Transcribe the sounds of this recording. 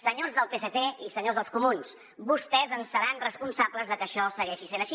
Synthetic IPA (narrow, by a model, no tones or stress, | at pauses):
səɲozðəlˠpeseθeisəɲozðəlˠskumuns | bust̪ɛzənsəɾanrəspunsabləzðəkəʃɔsəɣɛʃisenəʃi